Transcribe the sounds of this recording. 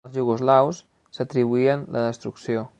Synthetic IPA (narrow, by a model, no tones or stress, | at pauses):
zʒuɣozlaws | sat̪ɾiβuianlʔaðəst̪ɾuksjo